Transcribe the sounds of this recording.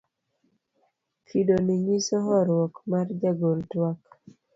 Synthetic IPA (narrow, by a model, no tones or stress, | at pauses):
kʰidoniɲisɔɦɔɾwɔkmard͡ʒaɡoltwak